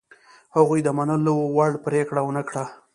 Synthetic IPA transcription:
haɣujd̪əmanəlowaɽpɾekɽawənəkɽa

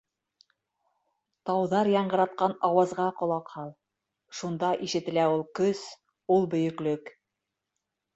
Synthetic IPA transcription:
t̪ɑwðɑɾjɑɴɢɤ̆ɾɑt̪̚qɑnɑwɑzʁɑqŏlˠɑqhɑlˠ | ʃund̪ɑʔiʃɘ̆t̪ɘ̆læulˠkɵs | ulˠbɵ̆jɵ̆klɵk

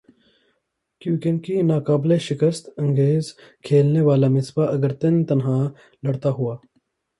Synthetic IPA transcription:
kjũːkenkinaːkaːbleʃɪkəst̪ɐ̃ŋɡeːzkʰeːlneʋaːlamɪsbaʔɐɡəɾt̪ɐnt̪ɐnɦãː | lɐɽt̪aɦʊaː

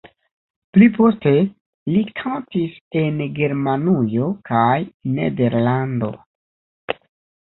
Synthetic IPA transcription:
plipo̞ste̞ | likʰantise̞nɡe̞ɾmanujo̞kajne̞̰de̞ɾlando̞̰

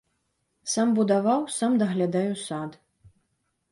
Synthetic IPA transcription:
sambud̪avawsamd̪ɐɣlʲad̪ajusad̪

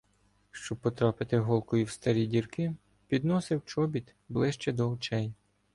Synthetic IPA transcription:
ʃt͡ʃɔpːɔt̪ɾɑpɪt̪ɪɦɔlˠkɔjiwst̪ɐɾʲidʲirkɪ | pʲid̪nɔsɪwt͡ʃɔbʲit̪ | blˠɪʃt͡ʃɛd̪ɔɔt͡ʃɛj

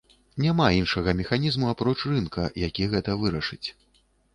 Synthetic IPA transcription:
nʲamainʂɐɣɐmʲɛxanʲizmuapɾɔt͡ʂrɨnkɐjakʲiɣɛt̪ɐvɨɾɐʂɨt͡sʲ

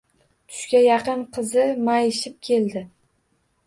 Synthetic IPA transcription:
t̪ʰʊ̥ʃkʲajɑqɨnqʰɨzɪmajɪʃɪp̚kʲʰe̞ld̪ɪ

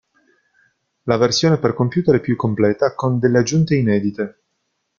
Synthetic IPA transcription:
laversjoːneperkompjuːt̪eɾɛpjukːomplɛːt̪akond̪elːead͡ʒːunt̪einɛːd̪it̪e

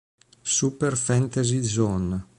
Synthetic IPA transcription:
supeɾfɛnt̪ezizɔn

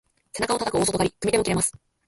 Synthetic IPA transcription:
se̞nakao̞t̪at̪akɯ̟oːsot̪oɡaɾʲikɯmid̪emo̞kiɾe̞masɨ̥

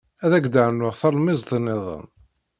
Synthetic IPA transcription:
æðæɡd̪aʕnːʊʁθɑlˤmɪzt̪ˤnːɪðˤə̰n

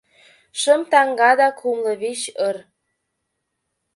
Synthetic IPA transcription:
ʃə̆mt̪ɑŋɡɑd̪ɑkʰumlɤ̆βeɕɤr

